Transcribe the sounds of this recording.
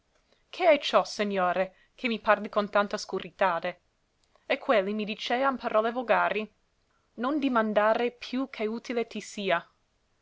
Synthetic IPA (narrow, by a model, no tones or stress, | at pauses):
kʰeɛjt͡ʃɔseɲːoːɾe | kʰemiparlikont̪ant̪askuɾʔit̪aːd̪e | ekʰːwelːimid̪it͡ʃeːanpʰaɾʔɔːlevoɡaːɾi | nond̪imand̪aːɾepʰjukʰeuːt̪ilet̪isiːa